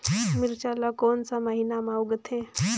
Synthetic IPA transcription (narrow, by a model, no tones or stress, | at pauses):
miɾt͡ʃalakoːnsaməɦinamauɡət̪ʰẽ